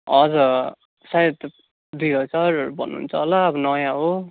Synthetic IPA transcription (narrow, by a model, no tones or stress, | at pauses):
ʌd͡zʌ | sajet̪ | d̪iɦʌt͡sʌrbʱʌ̰nːuṵnt͡sʰʌlʌːbʌnʌjãɦo